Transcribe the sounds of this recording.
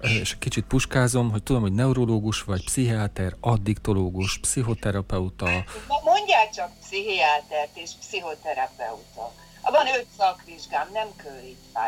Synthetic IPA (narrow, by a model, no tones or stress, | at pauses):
eːʃɛkːit͡ʃit̪̚puʃkaːzo̞mɦoc̚t̪ud̪o̞mhonɛuɾo̞loːɡuʃʋɒcpsiɦiat̪ɛrɒd̪ːikt̪o̞loːɡuʃpsiɦo̞t̪ɛɾɒpɛut̪ɒmo̞ɲɟaːkt͡ʃɒk̚psiɦiaːt̪ɛrt̪eːʃpsiɦo̞t̪ɛɾɒpɛ̰ut̪o̰k | ɒbɒnøt̪sɒkʋiʒɡaːmnɛmkøɾit̪ʋa̰